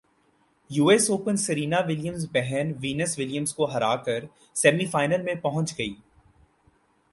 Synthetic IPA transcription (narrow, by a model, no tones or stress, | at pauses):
juːesoːpənsəɾiːnaʋɪljə̃mzbɛɦɛnʋiːnəsʋɪljəmzkoɦɐɾa̰ːkɐɾ | sɛːmifaːɪnəlmẽpɐɦʊ̃t͡ʃɡɐḭː